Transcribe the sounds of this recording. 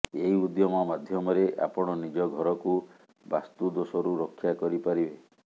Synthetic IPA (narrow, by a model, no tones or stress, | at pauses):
eɦiud̪jɔmɔmad̪ʱjɔmɔɾeʔa̰pɔɽ̃ɔnid͡ʒɔɡʱɔɾɔku | ba̰st̪ud̪osɔɾuɾokʰːjakɔɾipaɾibe